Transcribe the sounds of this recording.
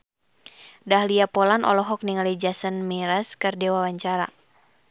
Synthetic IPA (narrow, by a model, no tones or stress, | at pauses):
dahliapɔlanʔɔ̰lɔɦɔk̚niŋalid͡ʒasənmɛɾaskɨrdɛwawaɲt͡ʃaɾa̰